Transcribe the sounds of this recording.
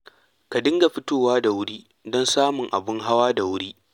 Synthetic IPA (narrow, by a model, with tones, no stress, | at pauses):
ka˨dɪ˦ŋɡa˨ɸɪ˦toː˦waː˦da˨wʊ˦ɽiː˦ | dɔ˦nsaː˦mʊ˨ŋʔa̰˨bɪ˦ŋɦa˦waː˦da˨wʊ˦ɽiː˦